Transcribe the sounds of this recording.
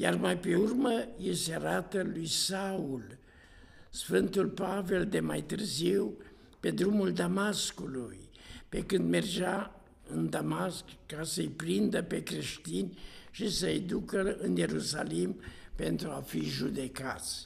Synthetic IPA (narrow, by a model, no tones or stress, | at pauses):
jarmajpe̞urməjeseaɾat̪əlujsaul | sfɨnt̪ulpave̞ld̪e̞majt̪ɨrziw | pe̞d̪ɾumuld̪amaskuluj | pe̞kɨnd̪merd͡ʒa | ɨnd̪amaskːasəjpɾind̪əpe̞kɾe̞ʃt̪inʲʃisəjd̪ukəɨnje̞ɾusa̰limpe̞nt̪ɾuafiʒud̪e̞ka̰t̪sʲ